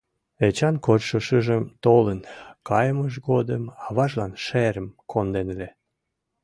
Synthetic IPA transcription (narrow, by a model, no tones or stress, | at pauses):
et͡ɕɑnkotʃəʃəʒəmt̪olənkɑjəməʃ̬ɡod̪əmɑβɑʒlɑnʃeɾəmkʰond̪enle